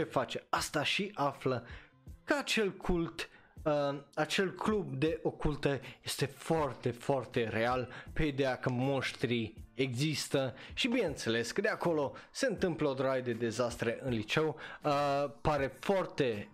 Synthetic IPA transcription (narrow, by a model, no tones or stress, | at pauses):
t͡ʃe̞fat͡ʃe̞ast̪aʃiʔaflə | kəat͡ʃe̞lkʰult̪ | əat͡ʃe̞lklub̚d̪e̞ʔo̞kult̪əje̞st̪e̞foart̪e̞foart̪e̞ɾe̞alpe̞id̪eakəmo̞ʃt̪ɾieɡzist̪əʃibineɨnt̪se̞le̞skəd̪eako̞lo̞se̞ɨnt̪ɨmpləod̪ɾajəd̪e̞d̪e̞zast̪ɾe̞ʔɨnlit͡ʃe̞wəpaɾe̞foart̪e̞